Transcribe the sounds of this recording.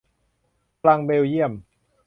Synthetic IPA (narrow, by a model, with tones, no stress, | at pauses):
la˧ŋbeː˧wji˥˩əm